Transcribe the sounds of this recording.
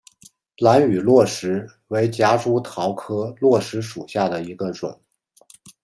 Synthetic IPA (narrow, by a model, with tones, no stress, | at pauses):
la˧˥ny˨˩lwɔ˥˩ʂɻ̩˧˥ | we˧˥ɪt͡ɕja˥ʈ͡ʂu˥t̪ʰɑ˧˥ʊkʰɤ˥lwɔ˥˩ʂɻ̩˧˥ʂu˨˩ɕja˥˩d̪ə˩i˧˥ɡə˧ʈ͡ʂwə̰˨˩˦n